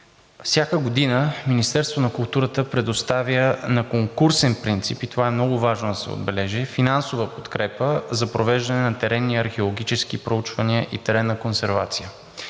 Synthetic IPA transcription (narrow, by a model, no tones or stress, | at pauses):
fsʲjakəɡod̪inəminist̪ɛɾst̪vonɐkʊlˠt̪uɾət̪əpɾɛd̪ost̪avjənɐkoŋkuɾsɛnpɾint̪sipit̪ovaɛmnɔɡʊvaʒnod̪ɐsɛ̰o̰d̪bɛlɛʒɛfinansovəpo̥t̪kɾɛpəzɐpɾovɛʒd̪ɐnɛnɐt̪ɛɾɛnːiɐɾxɛolˠoɡʲit͡ʃɛskipɾout͡ʃvɐniəʔit̪ɛɾɛnːɐkonsɛɾva̰t̪sijə